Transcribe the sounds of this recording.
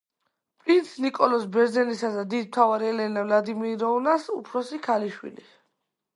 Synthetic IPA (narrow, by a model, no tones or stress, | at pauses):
pʼɾint̪sʰnikʼɔlɔsbɛɾd̪zɛnisad̪ad̪id̪̚mt̪ʰavaɾɛlɛnavlad̪imiɾɔulasṵpʰɾɔsikʰaliʃwḭli